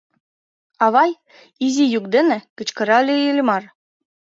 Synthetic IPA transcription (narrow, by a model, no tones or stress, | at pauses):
ɑβɑj | izʲijuk̚d̪ɘ̆nɘ̆kɘ̆t͡ɕkɤ̆ɾɑlʲeilʲmɑr